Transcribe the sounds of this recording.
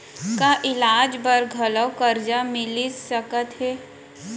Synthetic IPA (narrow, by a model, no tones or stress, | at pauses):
kaʔɪlaːd͡ʒbəɾɡʱələwkəɾd͡ʒamɪlisəkət̪ɦɛː